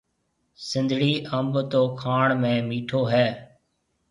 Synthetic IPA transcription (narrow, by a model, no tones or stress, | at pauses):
sɪ̃nd̪ʱɽiːʔəmbt̪oːkʰaːɳmẽːmiːʈʰoːɦɛː